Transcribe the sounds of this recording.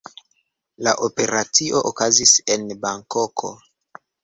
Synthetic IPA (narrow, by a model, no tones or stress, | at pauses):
la̰ʔope̞ɾat͡siʔo̞ʔokazise̞nbaŋkokʰo̞̰